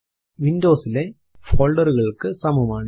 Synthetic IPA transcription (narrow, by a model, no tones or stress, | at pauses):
ʋɪnɖoːsɪle | foːlɖɐɾɣɐɭɯkːɯsɐmɐmaːn